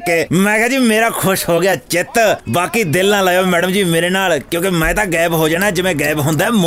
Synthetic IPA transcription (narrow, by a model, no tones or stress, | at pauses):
kemɛ̃ːkʰɛːd͡ʒiːmeːɾaːkʰʊʃɦoːɡɪjaːt͡ʃɪt̪baːkiːd̪ɪlãːlaːjoːmɛːɖəmd͡ʒiːmeːɾeːnaːlkjõːkemɛ̃ːt̪ãːɡɛːbɦoːd͡ʒaːnaɛd͡ʒɪʋẽːɡɛːbɦõnd̪aːɛːm